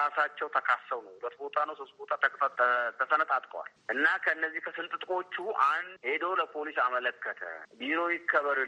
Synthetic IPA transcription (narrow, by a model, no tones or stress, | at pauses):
asat͡ʃːɛwt̪ʰəkʰasːəwnəwʊlət̪bo̞t̪ʰʼanəwsost̪̚bot̪ʰat̪ʰət̪ʰəsənət̪ʼat̪ʼkʼəwa̰lʔɨnːakʰəɨnːəzːihkʰəsɨnt̪ʼɨt̪ʼkʼo̞t͡ʃːuʔanhe̞d̪owləpʰo̞lisamələkːət̪ʰə̰biɾo̞jɪkʰːəβəɾ